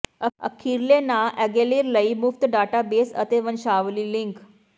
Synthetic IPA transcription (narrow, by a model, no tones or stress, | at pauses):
əə̰kʰiɾlenaʔɛɡeliːɾləimuft̪ɖaʈabesə̰t̪eʋənɕaʋliliŋk